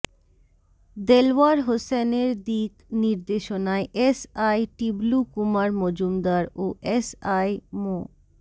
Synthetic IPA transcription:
d̪elwaɾɦoseneɾd̪ikniɾd̪eʃonaeʔesajʈiblukumaɾmod͡ʑumd̪aɾoʔesajmo

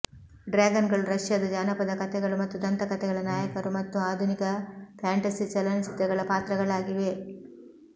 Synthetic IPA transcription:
ɖɾaːɡɐnɡɐɭuɾɐʃjɐd̪ɐd͡ʒaːnɐpɐd̪ɐkɐt̪ɛɡɐɭumɐt̪ːud̪ɐnt̪ɐkɐt̪ɛɡɐɭɐnaːjɐkɐɾumɐt̪ːuaːd̪ʱunikɐpʰaːɳʈɐsiːt͡ʃɐlɐnisid̪ːɐɡɐɭɐpaːt̪ɾɐɡɐɭaːɡiʋe̞

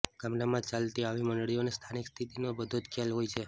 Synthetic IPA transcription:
ɡ̥amnamãt͡ʃalt̪iaʋimənɭionest̪ʰanikst̪ʰit̪inobəd̪ʱod͡ʒkʰelɦojt͡ʃʰe

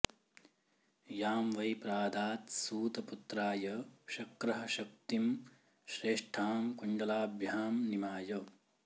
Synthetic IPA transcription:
jaːmʋɐjpɾaːd̪aːt̪suːt̪ɐput̪ɾaːjɐʃɐkɾɐɦɐ̆ʃɐk̚t̪im | ʃɾeːʂʈʰaːmkuɳɖɐlaːbʱjaːmnimaːjɐ

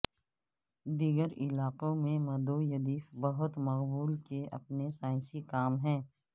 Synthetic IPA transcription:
d̪iːɡəɾɪlaːqõmẽmɐd̪ojɐd̪iːfbɐɦʊt̪mɐqbuːlkeʔɐ̰pnesaːɪ̃sikaːmɦɛ̃ː

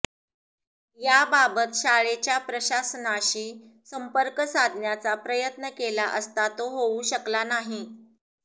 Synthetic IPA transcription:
jababət̪ɕaɭet͡ɕjapɾəɕasənaɕiː | səmpəɾkəsad̪ʱnjat͡sapɾəjət̪nəkelaʔəst̪at̪oɦouɕəklanaɦi

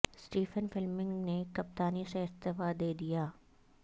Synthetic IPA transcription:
sʈiːfənfɪlmɪ̃ŋɡnekɐp̚t̪aːniseɪst̪ɪfad̪eːd̪ijaː

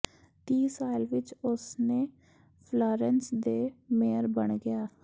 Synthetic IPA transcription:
t̪iːsaːɪlʋɪt͡ʃʊsneː | pʰlaːɾɛnsd̪eːmeːəɾbəɳɡɪjaː

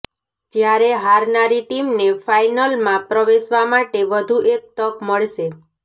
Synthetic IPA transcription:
d͡ʒjaɾeɦaɾnaɾiʈimnefajnəlmãpɾəʋeʃʋamaʈeʋəd̪ʱuʔek̚t̪əkməɭʃe

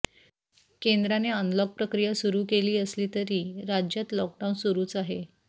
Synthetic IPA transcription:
kend̪ɾaneənləɡ̚pɾəkɾijasuɾuːkeliːəsliːt̪əɾiːɾad͡ʑjat̪lɔk̚ɖawnsuɾuːt͡saɦe

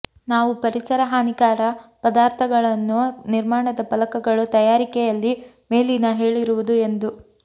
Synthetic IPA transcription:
naːʋupɐɾisɐɾɐɦaːnikaːɾɐpɐd̪aːɾt̪ʰɐɡɐɭɐnːuniɾmaːɳɐd̪ɐpɐlɐkɐɡɐɭut̪ɐjaːɾikɛjɐlːi | me̞ːlinɐɦe̞ːɭiɾuʋud̪ue̞nd̪u

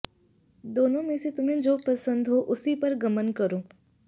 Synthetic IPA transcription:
d̪oːnõmẽset̪ʊmɦẽd͡ʒoːpɐsə̃nd̪ɦoʔʊsipɐɾɡɐmənkɐɾoː

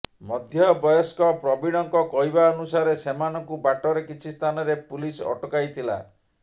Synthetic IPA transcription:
mɔd̪ʱjɔbɔjɔskɔpɾɔbiɽ̃ɔŋkɔkɔɦibaɔnusaɾesemanɔŋkubaʈɔɾekit͡ʃʰist̪ʰanɔɾepulisɔ̰ʈɔkajt̪ʰila̰

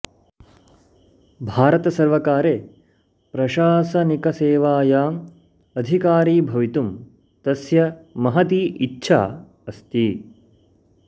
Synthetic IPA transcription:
bʱaːɾɐt̪ɐsɐɾʋɐkaːɾeː | pɾɐʃaːsɐnikɐseːʋaːjaːm | ɐd̪ʱikaːɾiːbʱɐʋit̪um | t̪ɐsjɐmɐɦɐt̪iːʔitːʃʰa̰ː | ɐst̪i

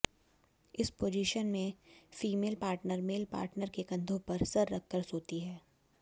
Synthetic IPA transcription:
ɪspoːd͡ʒɪʃənmẽfiːmeːlpaːɾʈnəɾmeːlpa̰ːɾʈnəɾkekɐ̃nd̪ʱõpɐɾsɐɾːɐkʰːəɾsoːt̪iɦɛː

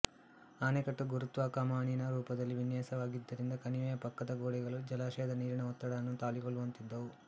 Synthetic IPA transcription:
aːnekɐʈːuɡuɾut̪ʋaːkaːmaːɳinɐɾuːpɐd̪ɐlːiʋinjɛːsɐʋaːɡid̪ːɐɾind̪ɐkɐniʋɛːjɐpɐkːɐd̪ɐɡoːɽɛɡɐɭud͡ʒɐlaːʂɛːɐd̪ɐniːɾɐɳɐɔt̪ːɐɽɐnːut̪aːliɡoɭːuʋɐnt̪id̪ːɐʋu

